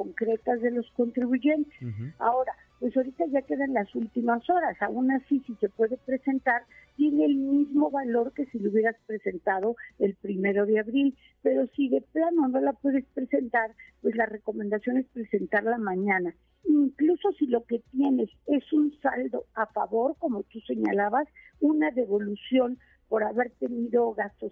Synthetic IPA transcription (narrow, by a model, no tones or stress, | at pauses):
ko̞ŋkɾe̞t̪azðe̞lo̞sko̞nt̪ɾiβuʝe̞nt̪e̥sa̰o̞ɾa | pwe̞so̞ɾit̪aʝake̞ðanlasult̪imaso̞ɾasaunasisise̞pwe̞ðe̞pɾe̞se̞nt̪aɾt̪je̞neːlmizmo̞βalo̞ɾke̞sileuβje̞ɾaspɾe̞se̞nt̪aðo̞e̞lpɾime̞ɾo̞ðeaβɾil | pe̞ɾo̞siðe̞plano̞no̞lapwe̞ðe̞spɾe̞se̞nt̪aɾpwe̞zlare̞ko̞mend̪asjo̞ne̞spɾe̞se̞nt̪aɾlamãɲãna | iŋkluso̞silo̞ke̞t̪je̞ne̞se̞sunsald̪o̞afa̰βo̞ɾko̞mo̞t̪use̞ɲa̰laβasunaðe̞βo̞lusjo̞n | po̞ɾaβe̞ɾt̪e̞niðo̞ɣast̪os